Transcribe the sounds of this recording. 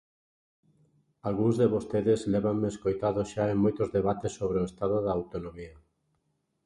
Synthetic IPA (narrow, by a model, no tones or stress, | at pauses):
alɣuŋzðeβost̪eðezlɛβaŋmeːskojt̪aðosʃaeŋmojt̪ozðeβat̪esːoβɾeoest̪aðoðaːwt̪onõmia